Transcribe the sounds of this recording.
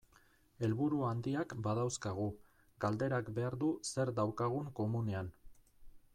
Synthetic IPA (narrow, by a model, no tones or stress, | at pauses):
e̞lβuɾuand̪iakbaðawskaɣu | ɡald̪e̞ɾakbe̞aɾðuse̞ɾd̪awkaɣ̞uŋko̞mune̞an